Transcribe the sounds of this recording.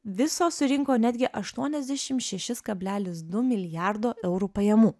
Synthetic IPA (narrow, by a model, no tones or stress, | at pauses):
ʋʲɪsoːsʊɾʲɪŋkoːnʲæd̪ʲɡʲɪʔɐʃt̪uɔnʲɛzʲd̪ʲæʃʲɪmt̪ʃʲɛʃʲɪskɐbʲlʲæːlʲɪsd̪ʊmʲɪlʲɪjæˑɾd̪oːʔɛʊɾuːpɐjɛmuː